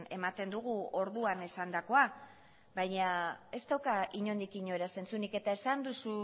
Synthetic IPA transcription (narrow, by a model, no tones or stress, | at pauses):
e̞mat̪e̞nd̪uɣ̞uo̞ɾðuane̞sand̪ako̞a | bajɲae̞st̪awkaiɲo̞nd̪ikiɲo̞eɾase̞nt͡sunike̞t̪ae̞sand̪usu